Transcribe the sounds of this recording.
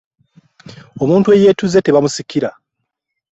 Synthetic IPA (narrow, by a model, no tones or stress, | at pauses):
o̞muːntue̞je̞ːtuze̞te̞βamusikːiɾa